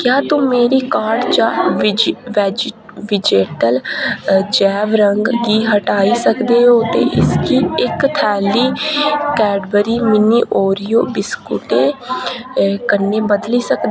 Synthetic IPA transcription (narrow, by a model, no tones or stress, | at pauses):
kjaːt̪ʊ̃ːmeːɾiːkaːɾɖt͡ʃãːʋd͡ʒʋɛ | ʋɪd͡ʒeːʈəl | d͡ʒɛːʋɾəŋɡɡiːɦəʈaːiːsəkd̪eːɦoːt̪ḛːʔɪskiːɪkt̪ʰɛːliːkɛːɖbəɾiːmɪniːʔoːɾijoːbɪskʊʈeː | kənːeːbəd̪liːsəkd̪e